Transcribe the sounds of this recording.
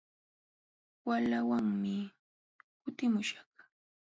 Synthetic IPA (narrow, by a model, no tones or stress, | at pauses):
walawaŋmɪ | kʊt̪ɪmʊʃḁχ